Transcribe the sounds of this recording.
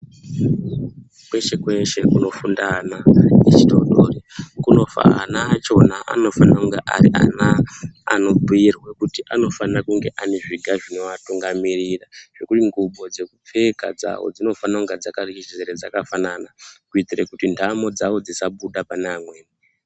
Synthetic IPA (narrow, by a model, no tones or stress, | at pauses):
kwe̞ʃe̞kwe̞ʃe̞kuno̞fundanaet͡ʃito̰ɗo̰ːrikuno̞fa̰a̰naːt͡ʃo̞naʔa̰no̞fanauŋɡeʔa̰rḭʔa̰na̰ːno̞bʱuirwekutiʔano̞fanakuŋɡe̞ʔaneʐiɡʱaʐino̞ʋatuŋɡamiriraʐ̥e̞kutiŋɡuɓo̞d͡ze̞kup͡fe̞ka̰d͡za̰wo̞̰d͡zino̞fanauŋɡed͡zakariizeɾed͡zakafananakuitirekutindʱamo̞d͡zawo̞d͡zisaɓuɗapanamwe̞ːne